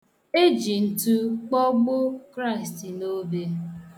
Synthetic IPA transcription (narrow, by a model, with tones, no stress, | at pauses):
e˦d͡ʒi˨n̩˨tu˦k͡pɔ˦ɡ͡bʊ˦kɾa˦˨ɪ˨sti˨no˦be˦